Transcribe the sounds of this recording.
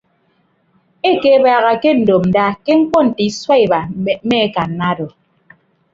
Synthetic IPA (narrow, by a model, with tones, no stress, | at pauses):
e˦ke˨˦baː˨ɣa˨ke˦n̩˨do˨mn̩˨da˦ke˦ŋ̩˦kɔ˦n̩˨ti˨˦swa˦i˨ba˨˦me˦e˦ka˨n̩˦na˦dɔ˨